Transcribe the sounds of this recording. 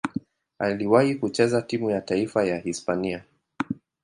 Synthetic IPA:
aliwahikut͡ʃɛzatimujataifajahispania

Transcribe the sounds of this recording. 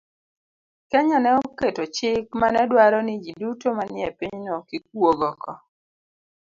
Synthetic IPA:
kɛɲɔnɛoketot͡ʃɪkmanɛdwaɾɔnid͡ʒidutomanɪɛpiɲnɔkik̚woɡɔkɔ

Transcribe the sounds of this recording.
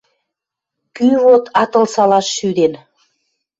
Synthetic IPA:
kyβot̪ɑt̪ɤ̆lsɑlɑʃːyd̪en

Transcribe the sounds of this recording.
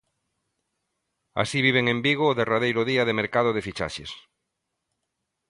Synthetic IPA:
a̰siβiβ̞eŋẽmbiɣ̞oːðerað̞ejɾoðiaðemeɾkað̞oðefit͡ʃa̰ʃḛs

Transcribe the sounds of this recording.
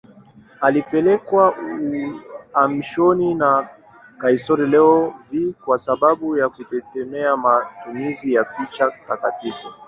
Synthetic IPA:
alipɛlɛkwauamiʃɔnina | kaisɔɾɛlɛɔvikwasaɓaɓujakutɛkɛmɛamatumizijapit͡ʃatakatifu

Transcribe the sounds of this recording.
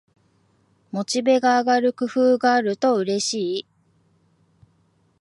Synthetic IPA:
mo̞t͡ɕibe̞ɡaːɡaɾɯ̟kɯ̟ɸɯ̟ːɡaːɾɯ̟t̪o̞ɯ̟ɾe̞ɕiː

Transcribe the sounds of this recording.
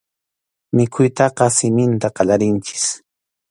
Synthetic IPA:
mɪkʰʊjt̪ɑqɑsɪmɪnt̪aqɑʎaɾɪnt͡ʃɪ̥s

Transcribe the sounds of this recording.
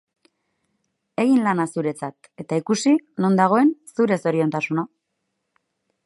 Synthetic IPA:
e̞ɣinlanasuɾe̞t͡sat̪ | e̞t̪aikusino̞nd̪aɣ̞o̞e̞nsuɾe̞so̞ɾio̞nt̪asuna

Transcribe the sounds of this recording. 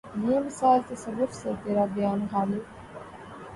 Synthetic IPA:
jemɪsaːlt̪ɐsɐrːʊfsɐɾt̪eɾabjaːnɣaːle

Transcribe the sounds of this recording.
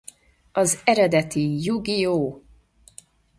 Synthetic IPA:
ɒzɛɾɛd̪ɛt̪ijuɡijoː

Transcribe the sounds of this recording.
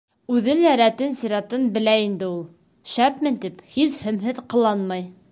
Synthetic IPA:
ʉðɘnjæɾæt̪ɘnsiɾɑt̪ɤnbɘ̆læind̪ɘ̆ulˠ | ʃæpmɘnt̪iphizhɵ̆mɦɘðqɤ̆lˠɑnmɑj

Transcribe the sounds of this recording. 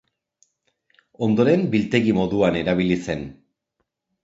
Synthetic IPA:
o̞nd̪o̞ɾe̞mbilt̪e̞ɣimo̞ðuane̞ɾaβ̞ilise̞n

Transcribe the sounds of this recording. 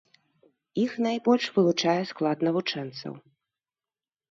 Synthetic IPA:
ixnajbɔlʲʂvɨlˠut͡ʂajɛsklˠat̪nɐvut͡ʂɛnt̪sɐ̰w

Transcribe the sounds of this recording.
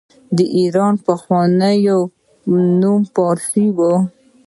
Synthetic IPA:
d̪əʔiɾɑnpəxwɑnəjo | numpɑɾsiwo

